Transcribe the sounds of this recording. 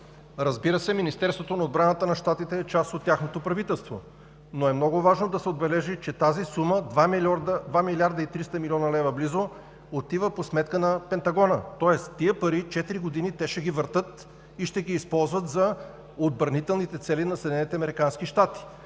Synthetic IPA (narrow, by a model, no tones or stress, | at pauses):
ɾɐzbiɾəsɛminist̪ɛɾst̪vot̪onɐod̪bɾanət̪ənɐʃt̪at̪it̪ɛːt͡ʃast̪ot̪ːʲjaxnot̪opɾɐvit̪ɛlˠst̪vo̰ | noɛmnɔɡʊvaʒnod̪ɐsɛod̪bɛlɛʒit͡ʃɛt̪azisuməd̪vamiɾd̪əd̪vamilʲiaɾd̪əit̪ɾist̪əmilʲɔnɐlɛvəblizo | ot̪ivəposmɛt̪kənɐpɛnt̪ɐɡɔnət̪ɔɛst̪ːiəpɐɾit͡ʃɛt̪iɾiɡod̪init̪ɛʃɛɡivəɾt̪ɤt̪ | iʃt̪ɛɡiːspɔlˠzvət̪zɐ | od̪̚bɾɐnit̪ɛlˠnit̪ɛt̪sɛlinɐsɛd̪ʲnɛnit̪ɛɐmɛɾikanskiʃt̪at̪i̥